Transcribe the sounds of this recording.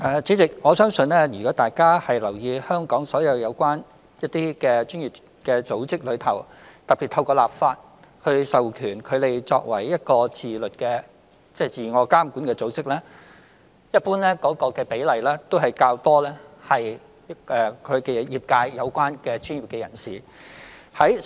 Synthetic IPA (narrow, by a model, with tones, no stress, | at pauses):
ʔɛː˨˧t͡si˨˥t͡sɪ˨k̚ŋɔː˨˧sœː˥ŋsɵ˧nlɛː˥jyː˨kɔː˨˥t̪aː˨jkaː˥hɐ˨jlɐ˨˩wjiː˧hœː˥ŋkɔː˨˥ŋsɔː˨˥jɐ˨˧wjɐ˨˧wkwaː˥n | jɐ˥t̪ːiː˥kɛː˧t͡ʃyː˥njiː˨˩p̚ | kɛː˧t͡so˨˥wt͡sɪ˥k̚lɵ˨˧ɥt̪ʰɐ˨˩wt̪ɐ˨k̚pi˨˩t̪ʰɐ˧wkɔː˧la̰ː˨p̚faː˧t̚ | hɵ˧ɥsɐ˨wkʰyː˨˩nkʰɵ˨˧t̪e˨jt͡sɔ̰ː˧k̚wɐ˨˩jːɐ˥t̚kɔː˧t͡sʰiː˨lɵ˨t̚kɛː˧ | t͡sɛː˥˩t͡siː˨˩ŋɔː˨˧kaː˥m˨kuː˨˥nkɛː˧t͡so˨˥wt͡sɪ˥k̚lɛː˥ | jɐ˥t̚puː˥nlɛː˥kɔː˨˥kɔː˧kɛː˧pe˨˥jlɐ˨jlɛː˥t̪o˥wɦɐ˨jkaː˧wt̪ɔː˥lɛː˥hɐ˨j | ʔɛː˨kʰɵ˨˧ɥkɛ˧˨˧jiː˨p̚kaː˧jːɐ˨˧wkʷwaː˥nkɛː˧t͡ʃyː˥njiː˨p̚kɛː˧jɐ˨˩nsiː˨˩ | hɐ˨˥j